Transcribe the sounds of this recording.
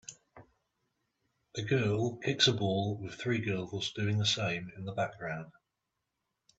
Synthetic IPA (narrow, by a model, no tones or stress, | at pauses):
əɡɜːlˠkʰɪksəbɔːlˠwɪð̥θɹiːɡɜːlˠzd̥ʉːɪ̃ŋðəsẽɪ̃mɪ̃nðəbak̚ɡ̥ɹãʊ̃nd̥